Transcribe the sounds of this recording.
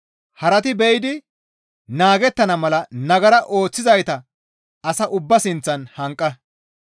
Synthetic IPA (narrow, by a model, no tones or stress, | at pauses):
hɐɾɐt̪ɪbɛjɪd̪ɪ | naːɡɛt̪ːɐnɐmɐlɐnɐɡɐɾɐʔo̞ːt͡sːɪzɐjt̪ɐ | ɐsɐʔʊbːɐsɪnt͡sːɐnhɐŋkʼːɐ